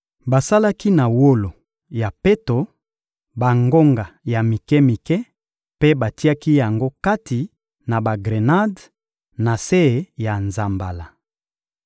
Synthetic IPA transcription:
ba˨sa˦la˦ki˦na˨wo˦lo˨ | ja˨pe˦to˨ | ba˨ŋɡo˦ŋɡa˨ja˨mi˨kɛ˦mi˨kɛ˦ | pe˦ba˨ti˦a˦ki˦ja˨ŋɡo˦ka˦tʰi˨ | na˨ba˨ɡʁe˨na˦d | na˨se˦˨ja˨nza˨mba˨la˨

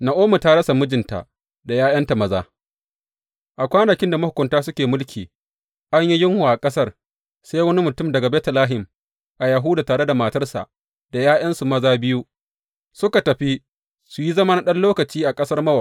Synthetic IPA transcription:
na˨ʔoː˦mu˨ta˦ɽɐ˦sa˨mʊ˦d͡ʒɪ˨nta̰˨ʔ | da˨jaː˦jɐ˦nta˨mɐ˦za̰ː˦ | ʔa˨kʷaː˦nɐ˨kʲɪ˦nda˨mɐ˦hʊ˨kʷːʊ˨ntaː˦sʊ˦kʲeː˨mʊ˦lkʲʰiː˨ | ʔa˦ɲji˦jɪ˦ŋhu˨ʔa˨kʼɐ˦sɐ˦r | se˦jwɐ˦ni˦mʊ˨tʊ˦mdɐ˨ɡa˨bɛː˦tlaː˦ɦɪ˨m | ʔa˨jɐ˨ɦʊː˦daː˨taː˨ɽe˦da˨maː˨tɐ˦rsa̰˨ʔ | d̥a˨jaː˦j̰ɐ˦nsu˨mɐ˦zaː˦bɪ˦ju˦ | sʊ˦ka˨tɐ˨ɸi˦ | su˨ji˦zɐ˦ma˦na˨ɗɐ˦nloː˦kɐ˨t͡ʃiː˦ʔa˨kʼɐ˦sɐ˦rmɐ˦wɐ˨

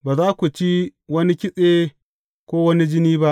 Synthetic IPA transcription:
baː˨zaː˦kʷu˨t͡ʃi˦wɐ˦ni˦kʲɪ˦sʼeː˦ | kʷoː˦wɐ˦ni˦d͡ʒɪ˦niː˦ba˦ʔ

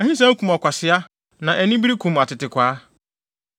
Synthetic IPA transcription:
ɛ˨hĩ˦s̬ã˦kũ˨mɔ˨kʷa˨sɪ˦a˦ | nã˨ʔɛ˨nĩ˦bi˦ɾi˦kʰũ˨ma˨tɪ˨tɪ˨kʷaː˨˦

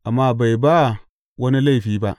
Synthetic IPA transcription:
ʔa˨mːa˦ba˨jba˦˨ | wɐ˦ni˦la˦˨ɸiː˨˦ba̰˦ʔ

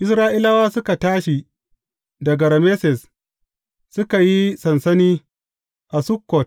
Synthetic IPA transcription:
ʔɪ˨˦sɾaː˦ʔi˦la˦waː˦sʊ˦ka˨taː˦ʃi˨ | dɐ˨ɡɐ˨ɾɐ˨me˦sɛ˨s | sʊ˦ka˨ji˦sɐ˨nsɐ˦niː˦ | ʔa˨sʊ˦kːɔ˨t̚

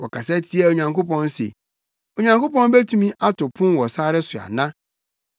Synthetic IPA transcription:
wɔ˨kʰa˨sɛ˦tʰɪ˦ɛ˦˨o˨ɲã˨ŋko˦pɔ̃˦n˦sḛ˨ | o˨ɲã˨ŋko˦pɔ̃˦n˦be˦tʰũ˦mĩ˦ʔa˦tʰʊ˨pʰʊ̃˦n˦wɔ˨saː˦ɾɪ˦sʊ˨a̰˨nã˦

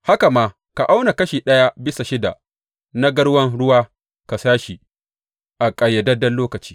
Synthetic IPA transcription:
ha˦ka˨maː˦ | ka˨ʔa˦wna˨kɐ˦ʃiː˨ɗɐ˦ja˦bɪ˦sa˨ʃɪ˦da̰˨ | na˦ɡɐ˦ɽwɐ˦ŋɽʊ˦waː˦ | ka˨saː˦ʃi˨ | ʔa˨kʼɐ˨jːɐ˨dɐ˦dɐ˦nloː˦kɐ˨t͡ʃi̥ː˦

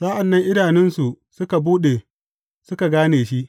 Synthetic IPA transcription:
sa˦ʔa˨nːɐ˦ŋʔɪ˦daː˨nɪ˦nsu˨ | sʊ˦ka˨buː˦ɗeː˨ | sʊ˦ka˨ɡaː˦neː˨ʃi˦ʔ

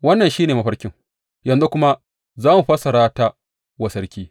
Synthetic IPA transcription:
wɐ˦nːɐ˨nʃiː˦neː˨mɐ˦ɸɐ˦ɽkʲɪ˦ŋ | jɐ˨nzu˦kʷʊ˦ma˦ | zaː˦mu˨ɸɐ˦sɐ˨ɽaː˦taː˦ | wɐ˨sɐ˦ɽkʲiː˦

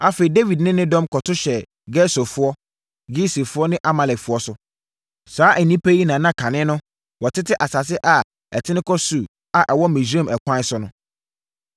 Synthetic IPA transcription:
a˦feː˨i˨de˦vi˨dnɪ̃˦nɪ̃˦dɔ̃˦mkʰɔ˨tʰʊ˦ɕɛ˨ | ɡɛ˦sɔ˨fʊ˦ɔ˦ | ɡi˦se˨fʊ˦ɔ˦nɪ̃˦ʔa˦mã˨lɛ˨kfʊ˦ɔ˦sʊ˦ | saː˨˦ʔɛ˨nːĩ˦pʰe˦ji˦nãː˨nã˦kʰã˨nɪ̃˦nʊ̃˦ | wɔ˨tʰɪ˦tɪ˦ʔa˨sa˨s̬ɪ˦ʔa˨ | ɛ̰˨tʰɪ̃˦nɪ̃˦kʰɔ˦su˨ | a˨ʔɛ˨wɔ˦mẽ˨s̬ã˦˨mɛ˨kʰʷã˦n˦sʊ˦nʊ̃˦

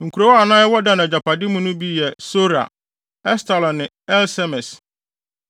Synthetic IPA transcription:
ŋ̩˨kʰu˨ɾo˨wɔ˦a˨nã˦jɛ˦wɔ˦dã˦nã˨d͡ʑa˨pʰa˨dɪ˦mũ˦nʊ̃˦bi˦jɛ˨so˦ɾa̰˨ | ɛ˦sta˨lɔ̃˨nɪ̃˨ | ɛ˦lsɛ˦mɛ˨s

